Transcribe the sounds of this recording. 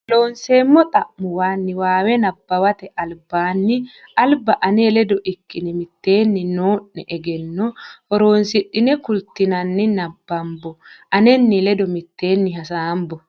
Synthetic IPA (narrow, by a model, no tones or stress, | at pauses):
lo̞ːnse̞ːmːɔt̪ʼɐʔːʊwaːnːɪwaːwɛnɐbːɐwɐt̪ɛʔɐlbaːnːɪɐlbɐʔɐneːlɛd̪ɔʔɪkːɪnɪmɪt̪ːe̞ːnːɪnoːʔːɛʔɛɡɛnːɔhɔɾo̞ːnsɪɗːɪnɛkʊlt̪ːɪnɐnːɪnɐbːɐmbɔʔɐnɛnːɪlɛd̪ɔmɪt̪ːe̞ːnːɪɦɐsaːmbɔ